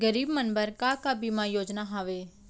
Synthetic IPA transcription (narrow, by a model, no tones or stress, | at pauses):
ɡəɾiːbmənbəɾkaːkaːbiːmãːjoːd͡ʒnaːɦaːʋeː